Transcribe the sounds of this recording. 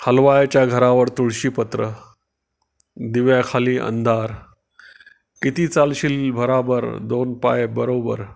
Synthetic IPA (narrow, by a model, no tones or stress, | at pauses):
həlʋajat͡ɕjaɡʱəɾaʋəɾt̪uɭɕiːpət̪ɾə | d̪iʋjakʰaliːʔə̰nd̪ʱaɾ | kit̪iːt͡salɕilbʱəɾabəɾd̪onpa̰ebəɾobə̰ɾ